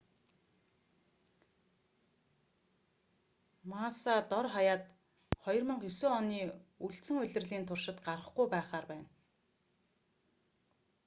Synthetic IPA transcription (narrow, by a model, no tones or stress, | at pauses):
maːsaːt̪ɔrχajaːt̪ | χɔjɞ̆rmə̆ɴqjɵsoːɔniːuɬt͡sɘ̆ŋɵɮʲɘ̆rɮiːnt̪ʰʊrʃɪ̆t̪ɢarə̆χɡujpæːχaːrpæːn